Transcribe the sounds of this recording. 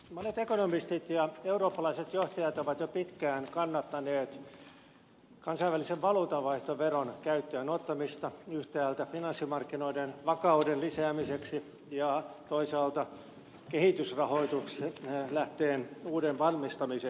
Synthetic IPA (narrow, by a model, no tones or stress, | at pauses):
monet̪ekonomist̪it̪jɑeuroːpːɑlɑiset̪joht̪ɑjɑt̪oʋɑt̪jopit̪kæːnkɑnːɑt̪ːɑneːt̪ | kɑnsɑiʋæliseʋʋɑluːt̪ɑʋɑiht̪oʋeronkæyt̪ːøːnot̪ːɑmist̪ɑyht̪æːlt̪æfinɑnsːimɑrkːinoidenʋɑkɑudenlisæːmiseksi | jɑt̪oisɑːlt̪ɑ | kehit̪ysrɑhoit̪ukslæht̪eːnuːdenʋɑrmist̪ɑmise